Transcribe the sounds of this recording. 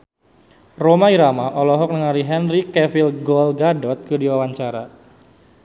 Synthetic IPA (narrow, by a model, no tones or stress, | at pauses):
romaiɾamaʔɔlɔɦɔk̚nəŋaɾiɦɛnrikɛfilɡɔlɡadɔt̪̚kɨdiwawaɲt͡ʃaɾa̰